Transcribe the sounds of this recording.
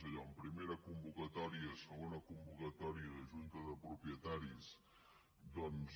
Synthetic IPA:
əʎɔəmpɾimeɾəkumbukət̪ɔɾiəsəɣonəkumbukət̪ɔɾiəðəʒunt̪əðəpɾupjət̪aɾis | d̪ɔnz

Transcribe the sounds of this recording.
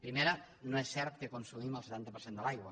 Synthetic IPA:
pɾimeɾɐ | nõɛsɛɾt̪̚kekonsumiməlˠse̥t̪ant̪ɐpəɾsend̪əlajɣwa

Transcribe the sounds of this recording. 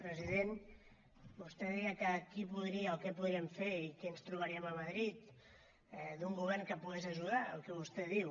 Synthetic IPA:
pɾəziðen | bust̪eðiɣəkəkipuðɾiəolkɛpuðɾieɱfeɾikɛənst̪ɾuβaɾiəməmaðɾit̪ | ɛðuŋɡuβɛrŋkəpuɣezəʒuðaə̰lˠkɛβust̪ɛðiw

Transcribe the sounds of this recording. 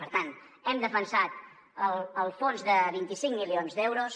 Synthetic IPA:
pəɾt̪ant̪ | ɛmd̪əfənsat̪ | əlˠəlˠfonzðəβint̪isiŋmilionzðɛwɾos

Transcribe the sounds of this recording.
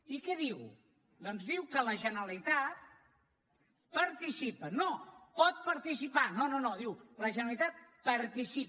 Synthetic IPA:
ikɛðiw | d̪ɔnzðiwkələʒənəlit̪at̪̚ | pəɾt̪isipənopɔt̪̚pəɾt̪isipanononoðiwləʒənəlit̪at̪̚pəɾt̪isip

